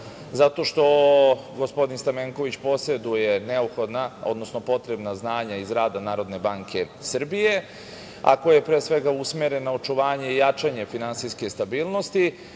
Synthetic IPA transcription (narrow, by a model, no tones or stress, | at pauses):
zat̪o̞ʃt̪o̞ | ɡo̞spo̞d̪inst̪ameŋko̞ʋit͡ɕpo̞sed̪uje̞neupxo̞d̪nao̞d̪no̞snopo̞t̪ɾe̞bnaznaːɲaizɾaːd̪anaːɾo̞d̪ne̞baŋkʰe̞ | sr̩bije̞ | a̰kojepɾeːsʋe̞ɡausmeɾenːao̞t͡ʃuʋaːɲe̞ijat͡ʃaɲe̞finansiske̞st̪abiːlˠno̞st̪i